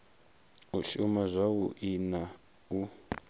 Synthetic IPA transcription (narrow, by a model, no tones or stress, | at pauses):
uʃumazʷauʔina | u